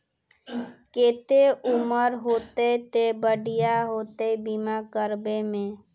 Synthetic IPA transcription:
ket̪euməɾɦot̪əjt̪ebəɖijaɦot̪əjbimakəɾbemẽ

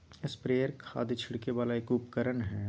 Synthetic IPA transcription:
ɪspɾeːjəɾkʰa̰ːd̪ʱit͡ʃʰɪɽkeʋaːlaeːkuːpkəɾənɦɛː

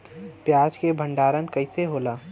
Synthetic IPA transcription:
pjaːd͡ʒkebʱə̃ɳɖaːɾənkəɪseɦoːlaː

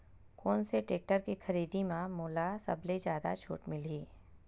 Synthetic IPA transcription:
kɔːnseʈeːk̚ʈəɾkixɐɾiːd̪imãmoːlasɐ̰bled͡ʒjaːd̪a̰t͡ʃʰo̰ːʈmɪliː

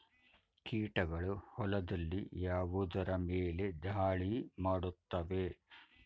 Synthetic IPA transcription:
kiːʈɐɡɐɭuhɔlɐd̪ɐlːijaːʋud̪ɐɾɐmeːle̞d̪ʱaːɭimaːɽut̪ːɐʋe

